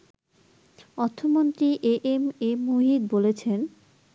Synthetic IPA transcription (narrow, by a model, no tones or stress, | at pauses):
ɔɾt̪ʰːomont̪ɾiʔeʔememuɦid̪bolet͡ɕʰen